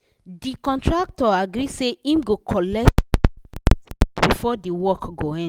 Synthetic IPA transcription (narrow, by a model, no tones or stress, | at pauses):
dikɔ̃ntɹak̚tɔaɡɾiseĩmɡokʰɔlɛk̚t | bifɔdiwɔkɡoɛ̃